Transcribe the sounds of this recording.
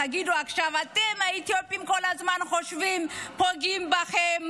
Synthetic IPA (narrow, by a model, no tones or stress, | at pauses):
aɡid̪uakʃavat̪ʼɛmait̪ʰiɔpimkɔlazmanχɔʃvimpʰɔɡimbaχɛm